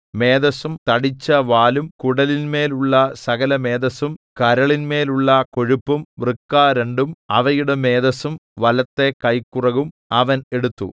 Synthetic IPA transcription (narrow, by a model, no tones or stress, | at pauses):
me̞ːd̪ɐsumt̪ɐɽit͡ɕːɐʋaːlumkuɽɐlinme̞ːluɭːɐsɐɣɐlɐme̞ːd̪ɐsumkɐɾɐɭinme̞ːluɭːɐko̞ɻupːumʋrɨkːaːɾeɳɖumɐ̰ʋɐjuɽeme̞ːðɐsumʋɐlɐt̪ːe̞kɐjkːurɐɣum | ɐʋɐne̞ɽut̪ːṵ